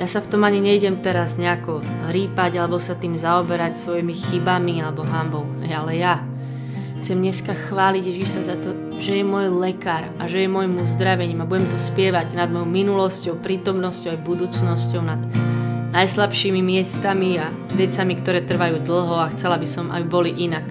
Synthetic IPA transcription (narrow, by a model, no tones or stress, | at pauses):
jasaft̪ɔmaɲiɲɛɟɛmt̪ɛɾazɲɛakɔɾiːpaɟalɛbɔsat̪iːmzaɔbɛɾacsʋɔjimixibamialɛbɔɦambɔʊɦɛ̰jalɛja | xt͡sɛmɲɛskaxʋaːliɟjɛʒiʃsazat̪ɔ | ʒɛjɛmʊɔjlɛkaːɾa̰ʒɛjɛmɔjimuzd̪ɾaʋɛɲiːmabuɟɛmt̪ɔspɪɛʋaɟnad̪̚mɔjɔʊminulɔscɔʊpɾiːt̪ɔmnɔscɔʊajbud̪uːt͡snɔscɔʊnad̪najslapʃiːmimɪɛst̪amia | ʋɛt͡samikt̪ɔɾɛːt̪r̩ʋajuːd̪l̩ˠɦɔaxt͡sɛlabisɔmʔa̰bibɔliʔinak